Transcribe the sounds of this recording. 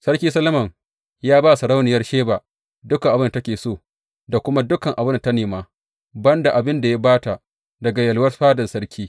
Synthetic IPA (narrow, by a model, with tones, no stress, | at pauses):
sɐ˦rkʲiː˦sɐ˦lɐ˦mɐ˨ŋ | jaː˦baː˦sɐ˨ɽa˦wnɪ˨jɐ˦rʃeː˦baː˨ | dʊ˦ka˨ʔa˨bɪ˦n˨˦tɐ˦kʲeː˨soː˦ | da˨kʷʊ˦ma˦dʊ˦kɐ˨ŋʔa˨bɪ˦n˨tɐ˦neː˨maː˦ | bɐ˦nda˨ʔa˨bɪ˦nda˨ja˦baː˦ta˨ | dɐ˨ɡa˨jɐ˨lwɐ˦rɸaː˦dɐ˨sɐ˦rkʲʰiː˦